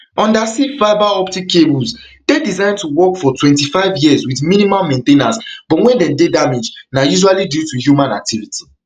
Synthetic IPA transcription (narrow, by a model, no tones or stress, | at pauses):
ɔ̃ndasivaɪbaɔptikʰːebulzdedizãɪ̃ndtuwɔkfɔtwɛ̃ntifaɪvjizwiθmĩnimalmɛ̃ntẽnasb̥ɔtwɛ̃ndɛ̃mdedamed͡ʒnajuʒalidjutuhjumãnak̚tʰivitʰi̥